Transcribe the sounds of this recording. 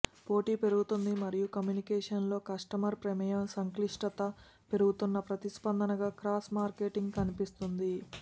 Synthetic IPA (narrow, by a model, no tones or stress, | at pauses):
po̞ːʈiːpe̞ɾuɡut̪und̪imɐɾijukɐmjunikɛːʂɐnlo̞ːkɐʂʈɐmɐɾpɾeɛmɐjɐmsɐŋkliʂʈɐt̪ɐ | pe̞ɾuɡut̪unːɐpɾɐt̪ispɐnd̪ɐnɐɡaːkɾaːsmaːɾke̞ːʈiŋɡkɐnipist̪und̪i